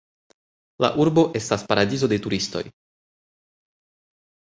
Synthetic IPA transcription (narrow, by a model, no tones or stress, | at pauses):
la̰ʔuɾbo̞ʔe̞staspaɾadizo̞de̞tuɾisto̞̰j